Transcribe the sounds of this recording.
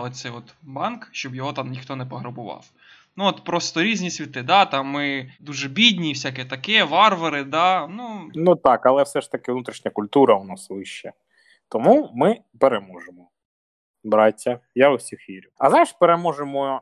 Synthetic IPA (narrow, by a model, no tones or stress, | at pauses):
ɛt̪sɛjɔt̪bɑnkʃt͡ʃɔbjɔɦɔt̪ɑmnʲixt̪ɔnɛpɔɦɾʊbʊʋɑ̰w | nuɔt̪pɾɔst̪ɔɾʲizʲnʲisʲʋʲit̪ɪd̪ɑt̪ɑmːɪd̪uʒɛbʲid̪ʲnʲiwsʲakɛt̪ɐkɛʋɑrʋɐɾɪd̪ɑnunut̪ɑkɐlˠɛwsɛʃt̪ɐkɪʋnut̪ɾʲiʃnʲɐkʊlʲt̪uɾɐʊnasʋɪʃt͡ʃːɐ | t̪ɔmumɪ | peɾemɔʒemɔ | bɾɑtʲːɐjaʊsʲixʋʲiɾʲʊɐznajʃpeɾemɔʒemɔ